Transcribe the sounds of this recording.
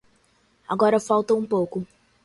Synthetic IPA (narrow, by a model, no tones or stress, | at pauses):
a̰ɡɔɾɐfawt̪ɐ̃ũpowkʊ